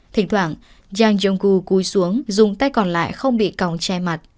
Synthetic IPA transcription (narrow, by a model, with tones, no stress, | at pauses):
t̪ʰï˧˩ŋ̟t̪ʰwaː˧˩ŋ | zaː˧ŋzə˧ŋ͡mɣu˧ku˨˦jsu˨˦əŋzʊ˨˩ŋ͡mt̪a˧jkɔ˨˩nla̰ː˧˨jxə˧wŋ͡mɓḭ˧˨ka˨˩wŋ͡mt͡ɕa˧jma˨˩t̚